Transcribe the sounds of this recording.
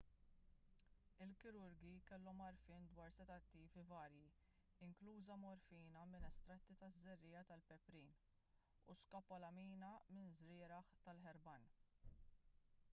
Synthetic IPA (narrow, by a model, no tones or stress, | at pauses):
ɪlkɪɾʊɾɡikɛlːɔmɐɾfɪːnd̪wɐːɾsɛt̪ɐt̪ːiːvivɐːɾji | ɪŋkluːzɐmɔɾfiːnɐmɪnɛst̪ɾɐt̪ːit̪ɐzːɛrːɪːjɐt̪ɐlpɛpɾiːn | ṵskɐpːɔlɐmiːnɐmɪnzɾɪːɾɐħt̪ɐlħɛɾbɐn